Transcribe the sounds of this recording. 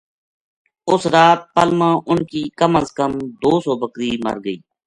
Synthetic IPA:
ʊsɾaːt̪̚pəlmãːʔʊnkiːkəməzkəmd̪oːsɔːbəkɾiːmə̰ɾɡəiː

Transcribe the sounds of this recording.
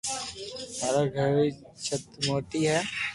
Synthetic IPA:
maːɾaɡʱəɾe | t͡ʃʰɐt̪moːʈiɦɛː

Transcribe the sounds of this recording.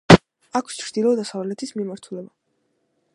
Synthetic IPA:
akʰst͡ʃʰɾd̪ilˠɔd̪asavlɛt̪ʰismimaɾt̪ʰulɛba

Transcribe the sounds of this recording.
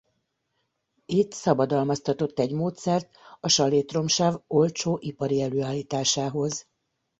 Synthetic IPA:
it̪sɒbɒd̪ɒlmɒst̪ɒt̪o̞t̪ːɛɟmoːt̪sɛrt̪ɒʃɒleːt̪ro̞mʃaːvo̞lt͡ʃoːʔipɒɾiɛløːaːlːiːt̪aːʃaːɦo̞z

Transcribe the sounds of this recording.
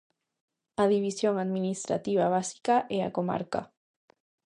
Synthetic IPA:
aðiβ̞isjoŋaðmĩnist̪ɾa̰t̪iβ̞aβasi̥kaʔea̰koma̰ɾka̰

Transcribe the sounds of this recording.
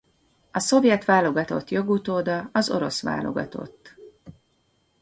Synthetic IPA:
ɒso̞vjɛt̪ʋaːlo̞ɡɒt̪o̞t̪jo̞ɡut̪oːd̪ɒɒzo̞ɾo̞sʋa̰ːlo̞̰ɡɒ̰t̪o̞̰t̪ː

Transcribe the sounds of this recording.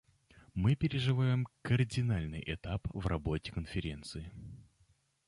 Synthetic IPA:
mɨpʲɪɾʲɪʐɨvajɪmkərdʲɪnalʲnɨjʔɪt̪apvrɐbo̞tʲɪ̥kənfʲɪɾʲe̞nt̪sɨɪ

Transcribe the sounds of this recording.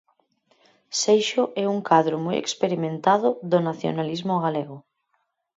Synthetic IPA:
sejʃoʔɛuŋkaðɾomɔjḛkspeɾimẽnt̪aðʊðonaθjo̰nalizmoɣaleɣʊ

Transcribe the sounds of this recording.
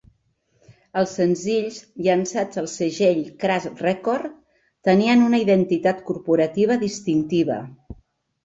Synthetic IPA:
əlˠsənziʎzʎənsad͡zəlˠsəʒeʎkɾasrɛkoɾ | t̪əniənunəiðənt̪it̪at̪kuɾpuɾət̪iβ̞əðist̪int̪iβ̞ə̰

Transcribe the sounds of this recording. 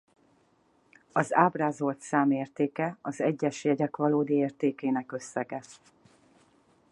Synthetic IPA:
ɒzaːbraːzo̞lt̪saːmeːrt̪eːkɛɒzɛɟːɛʃjɛɟɛkʋɒloːd̪ieːrt̪eːkeːnɛkø̞sːɛɡɛ

